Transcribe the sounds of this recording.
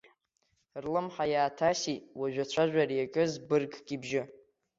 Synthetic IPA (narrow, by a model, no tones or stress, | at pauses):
rlɨmħajaːtʰasiwaʒᶣat͡ɕʷʰaʒʷᶣarijakʼɨzbɨrɡʼɡ̥ʲʼibʒɪ